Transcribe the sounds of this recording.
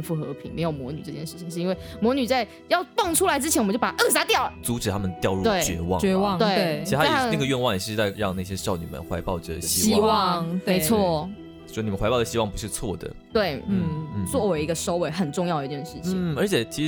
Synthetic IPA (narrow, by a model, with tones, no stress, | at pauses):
fu˥˩xɤ̰˧˥pʰḭ˧˥ŋme˧ɪjo˨˩ʊmwɔ̰˧˥ny˨˩ʈ͡ʂɤ˥˧t͡ɕjɛ˥˧nʂɻ̩˥˩t͡ɕʰi˨˩ŋʂ̩˥˧i˥nwe˥˩ɪmwɔ˧˥ny˨˩t͡sa˥˧ɪ | jɑ˥˧ʊt̪wɑ˥˩ŋʈ͡ʂʰu˥la˧˥ɪʈ͡ʂɻ̩˥t͡ɕʰɛ˧nwt͡ɕpa˨˩˥ʔɤ˥˩s̬a˥t̪jɑ˥˩ʊ˩t͡su˧˥ʈ͡ʂɻ̩ʰ˨˩a˥mə˨nt̪jɑ˥˧ʊɻu˥˧we˥˩ɪt͡ɕɥɛ˧˥wɑ̰˥˨ɛ˧˥wɑ˥˨ŋt̪we˥˩e˥˩i˧i˥˧a˥˧˥a˥a˥˩ɡə˩ɥɛ˥˧nwɑ˥˧ŋ̩˨˩˥t͡sa˥˧ɪɻɑ˥˧ŋna˥˩ɕjɛ˥t͡ɕʊni˨˩mə̰˦nxwa˧˥ɪpɑ˥˩ʊd̪ə̰˩ɕi˥i˥wɑ˥˨ŋme˧˥ɪwɔ˥˩˧ | ni˨mə˦nwa˧ɪpɑ˥˩ʊd̪ɕi˥wɑ˥˩ŋpu˧˥ʂɻ̩˥˧t͡sʰwɔ˥˩d̪ə̰˩ | t̪we˥˩ɪ˥˩˥t͡swɔ˥˩we˧˥ɪi˧˥ɡə˧ʂo˥ʊwe˧˥ɪxə˨˩nʈ͡ʂʊ˥˧ŋjd̪ə˨˧t͡ɕjɛ˥˧nʂɻ̩˥˩t͡ɕʰi˨˥˩ə˞˧˥t͡ɕʰjɛ˨˩t͡ɕʰi˧˥